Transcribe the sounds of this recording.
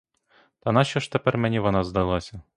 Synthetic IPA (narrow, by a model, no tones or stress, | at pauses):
t̪ɐnɑɕɔʃt̪ɛpɛrmɛnʲiʋɔnɑzd̪ɑlˠɑsʲɐ